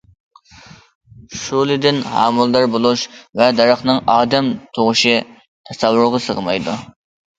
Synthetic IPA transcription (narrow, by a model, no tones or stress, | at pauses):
ʃulˠɪd̪ɪnhɑ̰ːmɨlˠd̪ɑɾbolˠuʃvɛd̪ɑɾəχnɨŋɑːd̪ɛmt̪ʰoʁʊʃɪ | t̪ʰɛsɑwːʊɾʊʁɑsəʁəmɑ̰jd̪ṵ